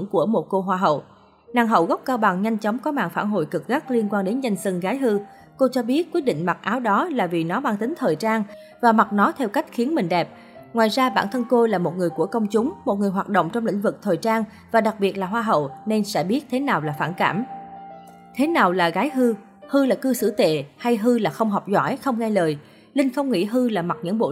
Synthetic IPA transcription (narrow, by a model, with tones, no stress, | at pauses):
ŋku˧˩əmo˨˩t̚ko˧ɦwaː˧ɦə̰˧˨w | naː˨˩ŋɦə̰˧˨wɣk͡p̚kaː˧wɓa˨˩ŋɲa˧jŋ̟t͡ɕɔ˨˦wŋ͡mkɔ˨˦ma̰ː˧˨ŋfaː˧˩nɦo̰˧˨jkɨ˨˩k̚ɣa˦˥k̚li˧ənkwaː˧nɗe˨˦nza˧jŋ̟sɨ˧ŋɣaː˨˦jɦɨ˧ | ko˧t͡ɕɔ˧ɓi˦˥ət̚ki˦˥ət̚ɗḭ˧˨ŋ̟ma˨˩t̚ʔaː˨˦wɗɔ˨˦laː˨˩vi˨˩nɔ˨˦ɓaː˧ŋt̪ï˨˦ŋ̟t̪ʰəː˨˩jt͡ɕaː˧ŋ | vaː˨˩ma˨˩t̚nɔ˨˦t̪ʰɛ˧wka˦˥jk̟̚xi˨˦ənmï˨˩ŋ̟ɗɛ˨˩p̚ | ŋwaː˨˩jzaː˧ɓa̰ː˧˩nt̪ʰə˧nko˧laː˨˩mo˨t̚ŋɨ˨˩əjku˧˩əkə˧wŋ͡mt͡ɕʊ˨˦ŋ͡mmo˨˩t̚ŋɨ˨˩əjɦaː˨˩t̚ɗə̰˧˨wŋ͡mt͡ɕɔ˧wŋ͡mlḭ˧˥ŋ̟vɨ˨˩k̚t̪ʰəː˨˩jt͡ɕaː˧ŋ | vaː˨˩ɗa˨˩k̚ɓi˨˩ət̚laː˨˩ɦwaː˧ɦə̰˧˨wne˧nsɛ̰˧˥ɓi˦˥ət̚t̪ʰe˨˦naː˨˩wlaː˨˩faː˧˩nka̰ː˧˩m | t̪ʰe˨˦naː˨˩wlaː˨˩ɣaː˨˦jɦɨ˧ | hɨ˧laː˨˩kɨ˧sɨ̰˧˩t̪ḛ˧˨ha˧jɦɨ˧laː˨˩xə˧wŋ͡mɦɔ˨˩k͡p̚zwa̰ː˧˩jxə˧wŋ͡mŋa˧jləː˨˩j | lï˧ŋ̟xə˧wŋ͡mŋḭ˧˥ɦɨ˧laː˨˩ma˨˩t̚ɲɨ̰˧˥ŋɓo̰˧˨